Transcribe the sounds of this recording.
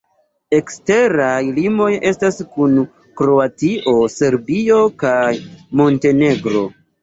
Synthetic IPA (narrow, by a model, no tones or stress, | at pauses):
e̞kste̞ɾajlimo̞je̞staskun | kɾo̞atiʔo̞se̞ɾbio̞kajmo̞nte̞ne̞ɡɾo̞